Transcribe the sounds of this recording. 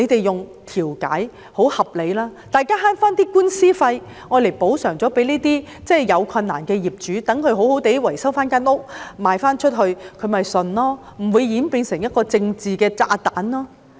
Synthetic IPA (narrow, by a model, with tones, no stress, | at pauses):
e˨˧jt̪e˨jjʊ˨ŋt̪ʰiː˨˩wka̰ː˨˥j | ho˨˥whɐ˨p̚le˨˧jlaː˥t̪aː˨jkaː˥ɦaː˥nfaː˥nt̪iː˥kuː˥nsiː˥fɐ˧j | ŋɔː˨˧le˨˩po˨˥wsœː˨˩ŋt͡sɔː˨˥pe˨˥jniː˥t̪iː˥t͡sɛː˥˩jɐ˨˧wkʰɐ˧nːa̰ː˨˩nkɛː˧jiː˨p̚t͡ʃyː˨˥t̪ɐ˨˥ŋkʰɵ˨˧ɥɦo˨˥who˨˥wt̪e˨˥jwɐ˨˩jsɐ˥wfaː˥nkaː˥nʊ˥k̚maː˨jfaː˥nt͡ʃʰɵ˥t̚ɦɵ˧ɥkʰɵ˨˧mɐ˨jsɵ˨nlɔː˥ | m̩˨˩wuː˨˧jjiː˨˥npiː˧nsɪ˨˩ŋjɐ˥t̚kɔː˧t͡sɪ˧ŋt͡siː˨kɛː˧t͡sa̰ː˧t̪aː˨˥nlɔː˥